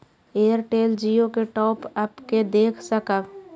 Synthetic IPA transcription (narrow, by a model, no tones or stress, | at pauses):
eːəɾʈeːld͡ʒijõkeʈɔːpəpked̪eːkʰsəkəb